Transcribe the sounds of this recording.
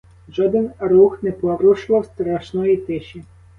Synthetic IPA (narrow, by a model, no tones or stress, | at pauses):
ʒɔd̪ɪnɾuxnɛpɔɾuʃlˠɔwst̪ɾaʃnɔjit̪ɪʃʲi